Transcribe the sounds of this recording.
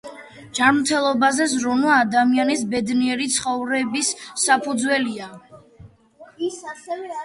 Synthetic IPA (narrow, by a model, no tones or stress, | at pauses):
d͡ʒanmt̪ʰɛlˠɔbazɛzɾunwaːd̪amianisbɛd̪niɛɾit̪sʰχɔvɾɛbisːapʰud̪zwɛlia